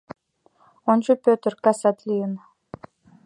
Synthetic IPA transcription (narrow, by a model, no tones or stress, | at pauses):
ont͡ɕopʲøt̪rkasat̪lʲin